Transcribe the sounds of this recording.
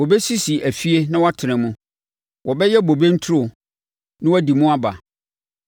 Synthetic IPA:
wɔ˨bɛ˦si˦si˨ʔæ˨fi˦e˦nã˦wɔ˦tʰɪ˨nɪ̃˨mʊ̃˦ | wʔɔ˨bɛ˦jɛ˦bo˨be˦n̩˦tʰu˦ɾo˨ | nɪ̃˦wɔ˦di˨mũ˦a˦ba˨

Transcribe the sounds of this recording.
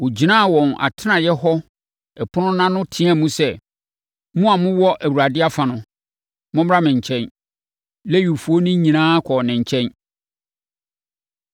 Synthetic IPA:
wo˨d͡ʑi˨nã˦˨wɔ̃˨na̰˨tʰɪ˦nã˨jɛ˦ɦɔ˦ | ɛ˨pʰʊ˦nʊ̃˦nã˦nʊ̃˦tʰĩ˦ã˦˨mũ˦sɛ˦ | mũ˦a˨mʊ̃˦wɔ˦ʔæ˨wu˨ɾa˨dɪ˦a˦fã˨nʊ̃˦ | mʊ̃˦m˦ɾa˦mɪ̃˨ɲ˨t͡ɕʰɛ̃˦n | lɛ˦ɥu˨fu˨o˦nʊ̃˦ɲĩ˨nãː˦kʰɔ˨nɪ̃˨ɲ̩˨t͡ɕʰɛ̃˦n

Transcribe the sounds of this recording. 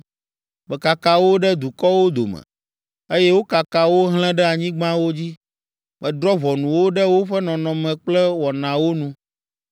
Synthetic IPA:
bɛ˨ka˨ka˦wo˦ɖɛ˦d̪u˨kɔ˦wo˦d̪o̰˨mɛ̰̃˨ | e˦jɛ˦wo˦ka˨ka˦wo˦ɦl̃ɛ̃˦ɖɛ˦a˨ɲĩ˦ɡ͡bã˦wo˦d͡ʑi˦ | bɛ˨d̪ɾɔ˦vɔ˨nũ˨wo˦ɖɛ˦wo˦ɸɛ˦nɔ̃˨nɔ̃˨mɛ̃˨k͡plɛ˦wɔ˨nã˨wo˦nũ˦

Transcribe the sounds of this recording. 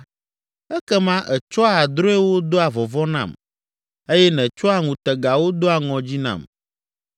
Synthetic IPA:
ɛ˦kɛ˦mã˦ʔɛ˨t͡ʃɔ˦a˨a˨d̪ɾo˦ɛ˦wo˦d̪o˦a˨vɔ˨vɔ˦nã̰˦˨m | e˦jɛ˦nɛ̃˨t͡ʃɔ˦a˨ŋũ˨t̪ɛ˨ɡa˨wo˦d̪o˦a˨ŋɔ̃˨d͡ʑi˦nã̰˨m

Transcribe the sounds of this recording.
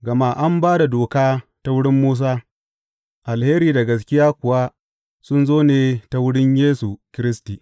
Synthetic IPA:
ɡɐ˨ma˦ʔa˦mbaː˦da˨doː˨kaː˦ta˦wʊ˦ɽɪ˦mːuː˦s̬aː˦ | ʔa˨lheː˦ɾiː˨da˨ɡɐ˨s̬kʲɪ˦jaː˦kʷʊ˨wa˦ | sʊ˦nzoː˦neː˨ta˦wʊ˦ɽɪ˦ɲjeː˦su˨kʲɪ˦ɾɪ˦stiː˨

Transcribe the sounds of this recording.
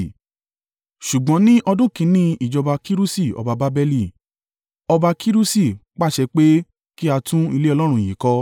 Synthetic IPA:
ʃu˨ɡ͡bɔ̃˨˦nĩ˦ʔɔ˧dũ˦˨kĩ˧˦nĩ˦i˦˨d͡ʒɔ˧ba˧ki˦ɾu˦si˦˨ɔ̰˨ba˧ba˨˦bɛ˧li˦˨ | ɔ˧ba˧kʰi˦ɾu˦si˦˨k͡pa˦˨ʃɛ˧k͡pe˦ | ki˦a˧tũ˦i˧le˦ɔ˧lɔ˦ɾ̃ũ˧˨jĩ˨kɔ˧˦

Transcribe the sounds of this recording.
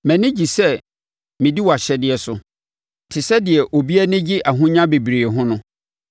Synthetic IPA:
mɛ̃˨nɪ̃˦d͡ʑi˨sɛ˦ | mɪ̃˨di˦wɔ˨a˨ɕɛ˦dɪ˨ɛ˨sʊ˨ | tʰɪ˨sɛ˦dɪ˨ɛ˨ʔo˨bi˦æ˦nɪ̃˦d͡ʑɪ˦ʔa˨ɦʊ̃˦ɲã˦be˨bɾi˨e˨ɦʊ̃˦nʊ̃˦

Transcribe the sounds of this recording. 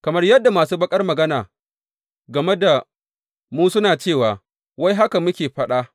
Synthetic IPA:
kɐ˨mɐ˦rjɐ˦dːa˨maː˨suː˦bɐ˦kʼɐ˦rmɐ˨ɡɐ˦naː˨ | ɡɐ˨me˦da˨ | muː˦sʊ˦naː˨t͡ʃeː˦˨waː˨ | wa˦jɦa˦ka˨mʊ˦kʲeː˨ɸɐ˦ɗaː˦

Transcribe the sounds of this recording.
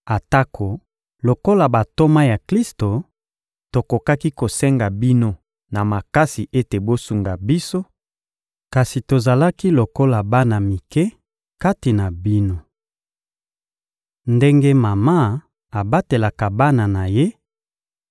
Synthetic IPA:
a˨ta˦kʰo˨ | lo˨ko˦la˨ba˨to˦ma˦ja˨kli˦sto˨ | to˨ko˨ka˦ki˦ko˨sɛ˦ŋɡa˨bi˦no˦ | na˨ma˨ka˦si˨ʔe˦te˨bo˦su˨ŋɡa˨bi˦so˦ | ka˨si˨to˨za˨la˦ki˦lo˨ko˦la˨ba˦na˨mi˨kɛ˦ | ka˦ti˨na˨bi˦no˦ | nde˦ŋɡe˦ma˨ma˦ | a˨ba˦te˨la˨ka˨ba˦na˨na˨je˦

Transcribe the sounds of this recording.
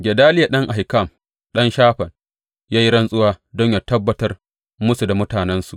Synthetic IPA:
ɡʲɛ˨daː˦lɪ˦ja˨ɗɐ˦ŋʔa˨hɪ˨kɐ˦˨m | ɗɐ˦nʃaː˦ɸɐ˨n | jaː˦ji˦ɽɐ˦nsʼʊ˦waː˦dɔ˦ɲjaː˦tɐ˦bːɐ˦tɐ˦r | mʊ˦su˨da˨mʊ˦taː˨nɛ˦nsu˨ʔ

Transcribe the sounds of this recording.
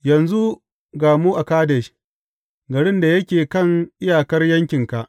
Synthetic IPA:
jɐ˨nzu˦ | ɡaː˨mu˦ʔa˨kaː˦dɛ˨ʃ | ɡɐ˨ɽɪ˦nda˨jɐ˦kʲeː˨kɐ˦˨ŋʔɪ˦jaː˨kɐ˦rjɐ˦ŋkʲɪ˨ŋka˨ʔ

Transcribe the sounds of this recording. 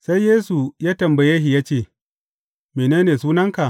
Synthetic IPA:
sa˦jjeː˦su˨jaː˦tɐ˨mbɐ˨je˦ɦi˨jaː˦t͡ʃeː˦˨ | meː˨neː˦neː˨suː˦nɐ˦ŋka˨ʔ

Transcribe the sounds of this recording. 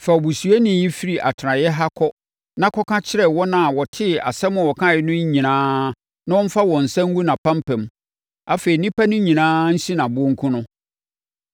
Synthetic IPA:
fɛ˨ɔ˨bu˨su˨æ˦nɪ̃˨ji˦fi˦ɾi˨ʔa˨tʰɪ˨ɾã˨jɛ˦ɦa˦kʰɔ˦ | nã˦kʰɔ˦kʰã˦t͡ɕʰɪ˦ɾɛ˨wɔ˦nã˨wɔ˨tʰɪ˦a̰˨sɛ˦mʊ̃˦˨wɔ˨kʰã˦˨jɛ˦nʊ̃˦ɲ˦ɲĩ˨nãː˦ | nã˦wɔ̃˦m̩˦fa˦wɔ̃˨n̩˨sɛ̃˦ŋ˦u˦nã˨pʰã˦mpɛ̃˨m | a˦fe˨i˨nĩ˦pa˦nʊ̃˦ɲĩ˨nãː˦n̩˦si˦nã˨bʊ˦ɔ̃˦ŋ̩˦kʰʊ̃˦nʊ̃˦

